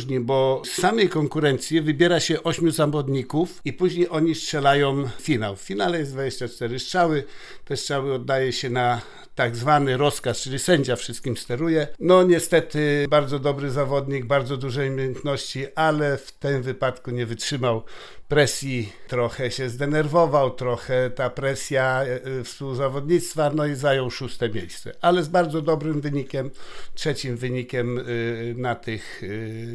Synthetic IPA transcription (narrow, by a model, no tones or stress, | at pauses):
ʐɲibɔssamɛjkɔŋkuɾɛnt̪sʲjivɘbʲjɛɾaɕɛʔɔɕmʲjuzamɔd̪ɲikufipuʑɲejʔɔɲiʂtʂɛlajɔ̃mfʲinawffʲinalɛjɛzd̪vad͡ʑeɕt͡ɕat͡ʂt̪ɛɾɘʂtʂawɘt̪ɛʂt͡ʂawɘɔd̪ːajɛɕɛna | t̪aɡzvanɘɾɔskast͡ʂɘlʲisɛɲd͡ʑafʂɘst̪kʲimst̪ɛɾujɛnɔɲɛst̪ɛt̪ɘbaɾd̪zɔd̪ɔbɾɘzavɔd̪ɲiɡ̚baɾd̪zɔd̪uʐɛjmʲjejɛnt̪nɔɕt͡ɕiʔalɛft̪ɘmvɘpat̪kuɲɛvɘtʂɘmaw | pɾɛsʲjit̪ɾɔxɛɕɛzd̪ɛnɛɾvɔvawt̪ɾɔxɛt̪apɾɛsʲjafspuzavɔd̪ɲit̪st̪fanɔizajɔ̃wʂust̪ɛmʲejst̪sɛ̰ʔalɛzbaɾd̪zɔd̪ɔbɾɘmvɘɲikʲɛmtʂɛt͡ɕimvɘɲikʲɛmnat̪ɘx